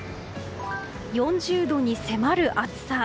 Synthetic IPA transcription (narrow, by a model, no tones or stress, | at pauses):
jõ̞ɲd͡ʑɨːd̪o̞ɲ̟ise̞maɾɯ̟ʔat͡sɨ̥sa